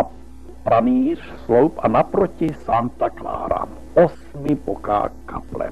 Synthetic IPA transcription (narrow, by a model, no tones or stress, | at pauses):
a | pɾaniːr | slowpanapɾocɪsant̪akla̰ːɾa̰ | ʔos | mɪpoka̰ːkaplɛ̰